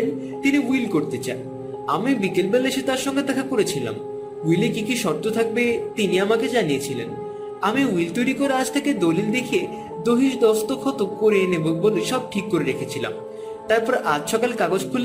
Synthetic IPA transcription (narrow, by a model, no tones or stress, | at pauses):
n | t̪iniuilkoɾt̪et͡ɕa̰e | amibikelbɛleʃet̪aɾʃɔŋɡed̪ɛkʰakoɾet͡ɕʰila̰m | ujlekikiʃɔɾt̪ot̪ʰak̚bet̪iniamaked͡ʑanijet͡ɕʰilḛn | amiuilt̪ojɾikoɾead͡ʑt̪ʰeked̪olild̪ekʰe | d̪oɦiʃd̪ɔst̪okʰɔt̪okkoɾeneboboleʃɔb̚ʈʰikːoɾeɾekʰet͡ɕʰila̰m | t̪aɾpɔɾeʔad͡ʑʃɔkalekaɡod͡ʑkʰul